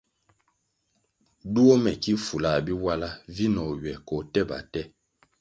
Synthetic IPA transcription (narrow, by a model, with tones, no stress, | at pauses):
du˦o˦mɛ˨ki˦fu˨la˨bi˦wa˦la˦vi˦nɔ˨ɥɛ˨kɔ˨tɛ˦ba̰˨tɛ˦